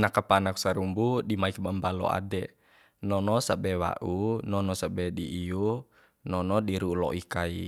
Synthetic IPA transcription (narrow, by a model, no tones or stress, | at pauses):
nakapanaksaɾumbudimaik̚bambalɔ̰a̰dɛ | nɔnɔsabɛwa̰ʔunɔnɔsabɛdiʔːu | nɔnɔdiɾulɔ̰ʔikai